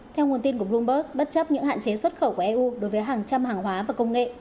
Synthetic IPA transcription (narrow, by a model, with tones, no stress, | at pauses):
t̪ʰɛ˧wŋ˨˩ənt̪i˧nku˧˩əɓlu˧mɓəː˦˥k̚ɓə˦˥t̚t͡ɕə˦˥p̚ɲɨ̰˧˥ŋha̰ː˧˨nt͡ɕe˨˦swə˦˥t̚xə˧˩wku˧˩ʔɛ˧ʔu˧ɗo˨˦jvəː˨˦jɦaː˨˩ŋt͡ɕa˧mhaː˨˩ŋɦwaː˨˦vaː˨˩kə˧wŋ͡mŋḛ˧˨ʔ